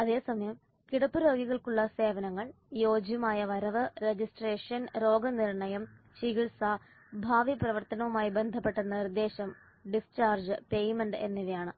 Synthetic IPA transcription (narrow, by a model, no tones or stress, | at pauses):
ɐðe̞ːsɐmɐjɐm | kiɽɐpːɨɾo̞ːɡiɣɐɭkuɭːɐse̞ːʋɐnɐŋːɐɭ | jo̞ːd͡ʑjɐmaːjɐʋɐɾɐʋɨɾe̞d͡ʑisʈreːʂɐnɾo̞ːɡɐniɾɳɐjɐm | ɕiɣiɭsa | bʱaːʋiprɐʋɐrt̪ɐnɐʋumaːjibe̞nd̪ʱɐpːe̞ʈːenːɐnird̪ːe̞ːɕɐm | ɖist͡ɕaːrd͡ʑpejmeɳɖenːiʋɐjaːɳɨ